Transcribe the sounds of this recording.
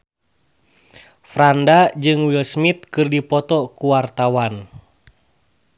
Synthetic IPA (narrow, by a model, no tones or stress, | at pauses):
fɾandad͡ʒɨŋwilsmit̪̚kɨrdipɔt̪ɔkuwart̪awan